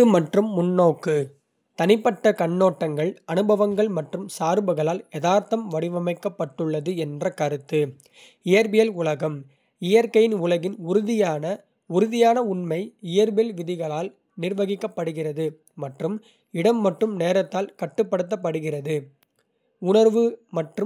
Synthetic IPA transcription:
ɯmɐʈrɯmːʊnːoːkːɯ | t̪ɐnɪpːɐʈːɐkɐɳːoːʈːɐŋɡɐɭɐnɯbɐʋɐŋɡɐɭmɐʈrɯmsaːɾbɯɣɐɭaːlɛðaːɾt̪ɐmʋɐɽɪʋɐmɐɪkːɐpːɐʈːɯɭːɐðɯɛndrɐkɐɾɯt̪ːɯ | ɪjɐɾbɪjɐlʊlɐɣɐm | ɪjɐɾkɐjɪnʊlɐɣɪnʊɾʊðɪjaːnɐ | ʊɾɯðɪjaːnɐʊnmɐɪɪjɐɾbɪjɐlʋɪðɪɣɐɭaːl | nɪrʋɐɣɪkːɐpːɐɽɯɣɪrɐðɯ | mɐʈrɯm | ɪɽɐmːɐʈrɯmneːɾɐt̪ːaːlkɐʈːɯpːɐɽɯt̪̬ːɐp̬ːɐɽɯɣɪrɐðɯ | ʊnɐɾʋɯmɐʈrɯ

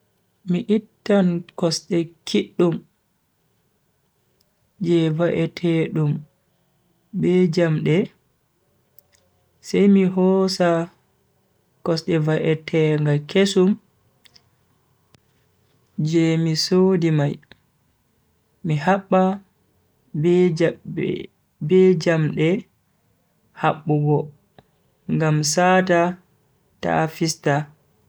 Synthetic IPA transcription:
miʔitːankɔsɗɛkʰiɗːum | d͡ʒɛvaʔɛtʰɛɗum | bɛd͡ʒamɗɛ | sɛjmiɦɔsa | kɔsɗɛvaʔɛtʰɛŋɡakesum | d͡ʒɛmisodimaj | mihaɓːa | bɛd͡ʒamɗɛ | haɓːuɡɔ | ŋɡamsaːta | ta̰fista

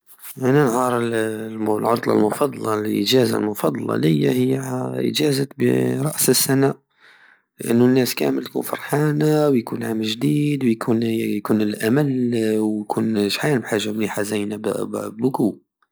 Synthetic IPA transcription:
ʔænænʕɑɾˤəllʕot̪ˤlɑ̰lmʊfɑd̪ˤɑlɑlʔə̰ʒæza̰lmʊfɑd̪ˤɑlɑ̰ləjːa̰həjːaʔə̰ʒæzəbə̰ɾˤɑʔsəsːænæ | ləʔənːunːæskæ̰məlt̪kṵnfɑ̰ɾˤħanawjkunʕamːəlʒd̪iːd̪wjkʰunjkunəlʔæməlwjkʰunʃħanbħaʒːamniħazæjnabbʊku

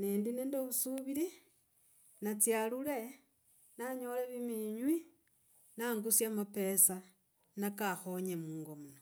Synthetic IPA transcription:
nendinendoβusuβiɾi | nat͡sjalule̞ | naɲoleβimiɲwi | naŋɡusjamape̞sa | nakaxoɲemuːŋɡomuno

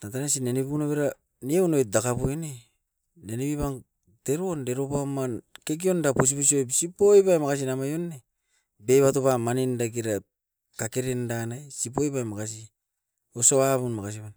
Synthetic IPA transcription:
tataɾasinenepunoβeɾa | niewnojt̚dakapojne | neniβiβaŋ | de̞ɾo̞nde̞ɾopamanke̞ɡ̬io̞ndapos̬ipos̬iojpsipojpajmakas̬inamajonːe | bejβatopamanindaɡiɾa | kakeɾendanajsip̬ojpajmakas̬i | osoβaβunmakas̬iβan

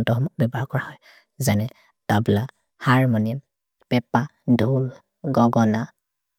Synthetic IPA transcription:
ntɔɦɔmɔk̚bɛbaɹkɔɹahɔj | zanɛ | tabila | haɹmɔni | pɛpa | dʱul | ɡɔɡɔna

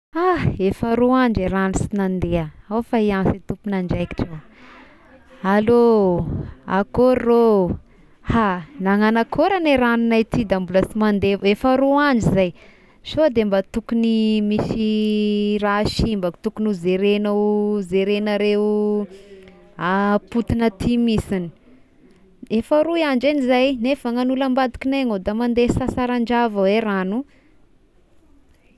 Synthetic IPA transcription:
aefəɾuaɳd͡ʒeɾanisinand̪eaawfaiansit̪upunaɳɖ͡ʐajki̥ʈ͡ʂaw | alo | a̰koɾːo | hanaŋanakʰoɾaneɾaninajt̪id̪ambuləsimand̪evefaɾuaɳd͡ʒizaj | sod̪embat̪ukunimisi | raʃimbat̪ukunuzeɾenozeɾenəɾeu | aput̪inət̪ʰimisini̥ | efəɾuiaɳd͡ʒenizajnefaŋanuləmbad̪ikineŋod̪amand̪esasaɾaɳd͡ʒavaweɾanu

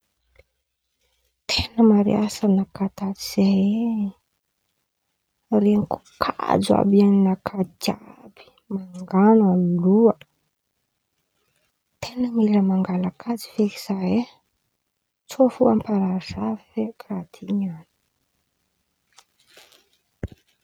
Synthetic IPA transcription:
t̪ʰenəmaɾḭasanakat̪aviz̥e | reniku̥kʰa̰d͡za̰bianinakʰat̪ab̥i̥ | maŋɡanamiluə | t̪ʰenəmiləmaŋɡalakʰad͡zi̥feki̥z̥ae | t͡sofuampaɾazavfekʰrat̪ʰiɲani̥

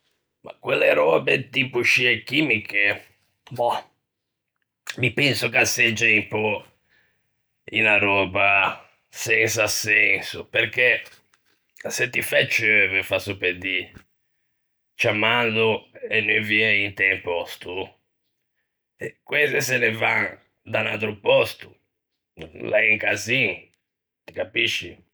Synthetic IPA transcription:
ma̰kwelːeɾɔːbet̪ipuʃiekːimike | mɔ | mipɛnsʊkased͡ʒeimpɔ | ḭlaɾɔːba | sɛnsasɛnsʊperke | sɛt̪ːifɛt͡ʃːɛvɛɾfasuped̪i | t͡ʃamand̪uɛnːoviɛint̪ɛmpɔst̪u | ɛkwɛsɛsɛnɛvaŋ | d̪anat̪ɾupɔst̪u̥ | laiŋkazi | t̪i̥kapiʃːi

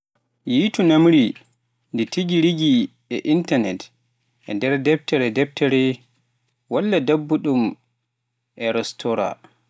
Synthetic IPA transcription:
jitunamɾi | nditiɡiɾiɡi | ɛʔintanɛt | ʔɛ̰ndɛɾdɛp̚tɛɾɛdɛb̚tʰɛɾɛ | walːadabːuɗum | ʔɛɾɛstʰɔɾa̰

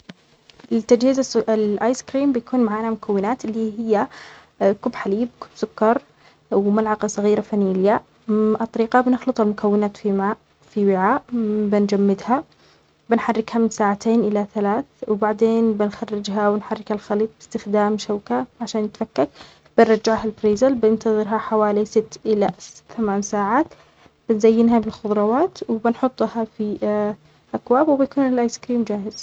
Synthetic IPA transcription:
ʔɪt̪ːad͡ʒhiːzaslʔaːjskɾiːmbɪjakuːnmaʕaːnamʊkʰawːɪnaːt̪ɪlːiːɦɪjːa | kʊbːħaliːb̚kʊbsʊkːɑɾˤ | wmalʕɑqɑsˤɑɣiːɾafanilja | ʔt̪ˤːɑɾiːqɑbnɪxlɨt̪ˤalmʊkʰawːɪnaːt̪fimaː | fiwɪʕaːʔbɪnd͡ʒamːɪd̪ha | bɪnħarːɪkhamɪsaːʕat̪ʰeːnʔɪlaθalaːθwɪbaʕd̪eːnbɪnxarːɪd͡ʒɦawɪnħarːɪkhalxaliːt̪̚ˤbɪst̪ɪxd̪aːmʃawkaʕaʃaːnjɪt̪fakːak | b̥ɪnɾˤɑd͡ʒːaʕhalbɾiːzalbɪnt̪ɑðˤɨɾɦaħawaːlisɪt̪ːʔɪlaθamaːnsaːʕaːt̪ | b̥ɪnzajːɪnɦabɪlxʊðˤɾˤɑwaːt̪wbɪnħʊt̪ˤːhɑfi | ʔakwaːbwɪbɪjkuːnɪlʔaːjskɾiːmd͡ʒaːhɪz̥

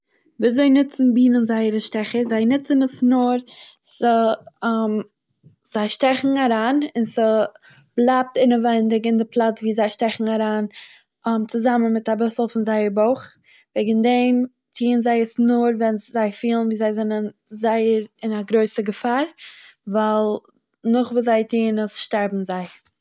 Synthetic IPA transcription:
viːzoɪnɪt͡sn̩biːnənzaɪəɾəʃtɛχəzaɪnɪt͡sənəsnʊɾ | sə | m | z̥aɪʃtɛχŋ̩aɾaːnɪnsə | blˠap̚tɪnəvɛndɪɡɪndɪpʰlˠat͡sviːzaɪʃtɛχŋ̩aɾaːn | mt͡sʊzamənmɪtabɪsl̩ˠfɪnzaɪəɾboʊχ | vɛːɡən̩dɛm | tʰiːənzaɪəsnʊɾvɛnzaɪfiːlˠənviːzaɪzɛnənzaɪəɾɪnaɡɾoɪsəɡəfaːɾvalˠ | nʊχvuːzaɪtʰiːnəsʃtaɾbm̩zaɪ

